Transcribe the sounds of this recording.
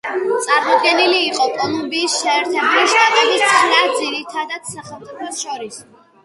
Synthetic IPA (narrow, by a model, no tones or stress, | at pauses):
t̪sʼaɾmɔd̪̚ɡɛniliːqʼɔkʼɔlˠumbiːsʃɛːɾt̪ʰɛbluʃt̪ʼat̪ʼɛbist̪sʰχnad̪ziɾit̪ʰad̪ad̪̥saχɛlˠmt̪ʼipʰɔsʃɔɾis